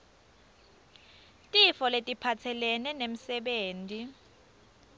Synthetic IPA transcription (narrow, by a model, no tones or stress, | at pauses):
tʼifɔletʼipʰatʰɛlɛnɛnem̩sɛɓeːntʼi